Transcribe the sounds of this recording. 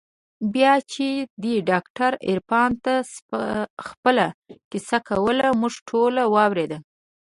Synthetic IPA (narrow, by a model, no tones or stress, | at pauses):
bjɑt͡ʃed̪eɖɑkʈaɾɪ̰ɾpɑnt̪as | xpəlakɪsakawəlamuʐʈʰolawɑwɾed̪əl